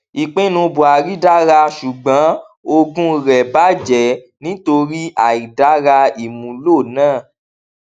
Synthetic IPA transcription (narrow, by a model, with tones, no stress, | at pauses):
i˨k͡pẽ˦nũ˧bũ˨a˨ɾi˦da˦ɾa˧ʃu˨ɡ͡bã˨˦ | o˧ɡũ˦ɾɛ˨ba˨˦d͡ʒɛ˨ | nĩ˨˦to˧ɾi˦ʔa˨i˨da˨˦ɾa˧i˨mũ˨lo˦˨nãː˦˨